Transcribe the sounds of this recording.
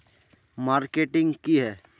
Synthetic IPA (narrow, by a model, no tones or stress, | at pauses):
maːɾkeːʈɪ̃ŋɡkiɦɛː